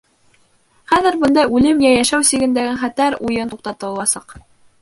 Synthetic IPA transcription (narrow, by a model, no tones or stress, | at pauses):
χæðɘ̆ɾbɤ̆nd̪ɑjʉlɘmjæjæʃæwsiɡɘ̆nd̪æɡɘɴχæt̪æɾujɤnt̪uqt̪ɑt̪ɤ̆lˠɑsɑq